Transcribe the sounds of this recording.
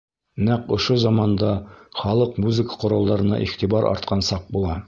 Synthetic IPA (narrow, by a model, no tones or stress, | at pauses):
næqŏʃozɑmɑnd̪ɑχɒlˠɤqmuzəkə̥qŏɾɑlˠːɑɾɤ̆nɑ̰ʔiχt̪ibɑɾʔɒ̰ɾt̪qʰɑnsɑq̚bulˠɑ